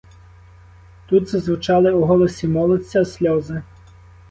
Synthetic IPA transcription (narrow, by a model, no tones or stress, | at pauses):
t̪ut̪zɐzʋʊt͡ʃɑlˠɪuɦɔlˠɔsʲimɔlˠɔsʲɐsʲlʲɔzɪ